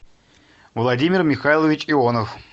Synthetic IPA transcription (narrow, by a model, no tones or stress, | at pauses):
vlˠadʲimʲɪrmʲɪxajlˠəvʲɪt͡ɕionəf